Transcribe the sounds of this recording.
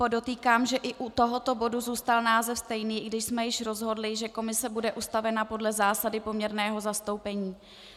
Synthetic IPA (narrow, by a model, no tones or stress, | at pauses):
odo̞t̪iːkaːmʒɛʔɪʔut̪o̞ɦo̞t̪o̞bo̞duzuːst̪alnaːzɛfst̪ɛjniːɡdɪʃsmɛjɪʃɾo̞zɦo̞dlɪʒɛko̞mɪsɛbudɛʔust̪avɛnapo̞dlɛzaːsadɪpo̞mɲɛɾnɛːɦo̞zast̪o̞wpɛɲiː